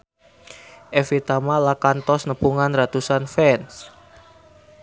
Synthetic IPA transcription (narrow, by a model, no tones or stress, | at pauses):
ʔefit̪amalakant̪ɔsnəpuŋanrat̪usanfɛns